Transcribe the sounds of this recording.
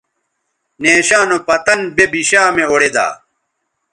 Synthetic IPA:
neːɕaːnopɐt̪ɐnbebiɕaːmeoɽed̪a̰ː

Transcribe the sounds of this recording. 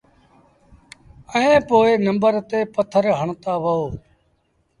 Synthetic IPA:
əẽːpoːeːnəmbəɾt̪eːpət̪ʰəɾɦəɳt̪aːʋəoː

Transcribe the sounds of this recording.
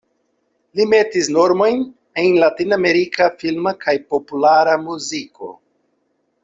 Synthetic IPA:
lime̞tisno̞ɾmo̞jn | enlatiname̞ɾikafilmakʰajpo̞pulaɾamuziko̞̰

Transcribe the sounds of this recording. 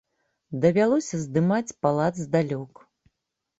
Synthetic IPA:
d̪ɐvʲalˠɔsʲɐzd̪ɨmat͡sʲpalˠad̪zd̪alʲɔk

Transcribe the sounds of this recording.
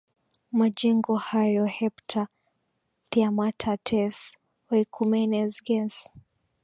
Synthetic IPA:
mad͡ʒɛŋɡɔhajɔhɛptʰa | tiamatʰatʰɛs | wɛikʰumɛnɛzɡɛs

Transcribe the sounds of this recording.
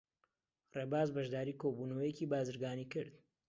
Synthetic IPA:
reːbaːzbɐʒd̪aːɾiːkʰobuːnɐwəjeciːbaːzɨɾɡaːnikɨɾd̪̥

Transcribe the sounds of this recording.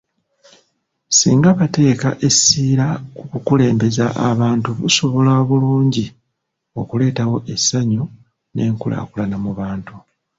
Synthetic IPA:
siːŋɡaβate̞ːka̰ʔe̞siːɾakukukule̞ːmbe̞zaʔa̰βaːntuβṵso̞βo̞laβuluːɲɟi | o̞kule̞ːtawo̞ʔe̞sːaɲo | ne̞ːŋkula̰ːkulanamuβaːntu

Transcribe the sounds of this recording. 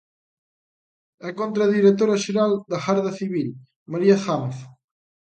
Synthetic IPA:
ɛkont̪ɾaðiɾet̪oɾaʃeɾald̪axaɾðaθiβil | maɾiaxamθ

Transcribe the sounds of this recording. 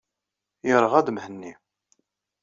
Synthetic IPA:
jəɾˤəʁæd̪əmhənːi

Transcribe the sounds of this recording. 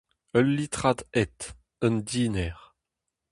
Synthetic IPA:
œlːit̪ʁad̪ɛt̪ | ənd̪iːnɛʁ

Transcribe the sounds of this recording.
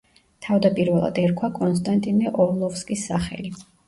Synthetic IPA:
t̪ʰavd̪apʼiɾvɛlˠa̰d̪ɛɾkʰwakʼɔnst̪ʼant̪ʼinɛʔɔlˠɔfskʼisːaχɛ̰li

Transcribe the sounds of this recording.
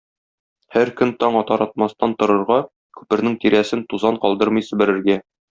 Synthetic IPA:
hæɾkɵnt̪ɒɴɒt̪ɒɾɑt̪̚mɑst̪ɑnt̪ŏɾɤ̆ɾʁɑ | kʉ̥pɘ̆ɾnɘŋt̪iɾæsɘnt̪uzɑɴqɒlˠd̪ɤɾmɤjsɵ̆bɘ̆ɾɘ̆ɾɡæ

